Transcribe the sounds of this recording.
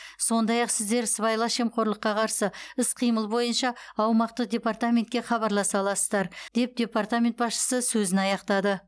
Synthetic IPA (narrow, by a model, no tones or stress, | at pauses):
so̞nd̪ɑjɑqsɪzd̪e̞ɾsvɑjlˠɑʃe̞mqo̞ɾlˠəqːɑqʰɑɾsəɪsqʰijməlˠbo̞jənʃɑːwmɑqt̪əq̚d̪ʲe̞part̪amʲe̞nt̪kʲe̞χɑβɑɾlˠɑsɑlˠɑsəzd̪ɑɾd̪̥e̞p̚d̪ʲe̞part̪amʲe̞nt̪̚bɑsʃə̥səsɵzɪnɑjɑqt̪ɑd̪ə